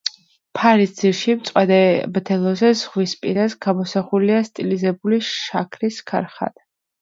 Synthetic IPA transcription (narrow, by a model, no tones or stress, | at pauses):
pʰaɾisd̪z̥iɾʃimt̪sʼwad̪ɛbd̪ʰɛlˠɔzɛzʁwispʼḭɾasɡamɔsaχuliast̪ʼilizɛbuliʃʃa̰kʰɾiskʰa̰ɾχa̰d̪̥